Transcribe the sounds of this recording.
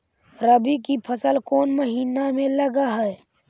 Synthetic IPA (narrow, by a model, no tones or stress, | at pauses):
ɾəbikipʰəsəlkoːnməɦiːnamẽləɡaɦɛɛ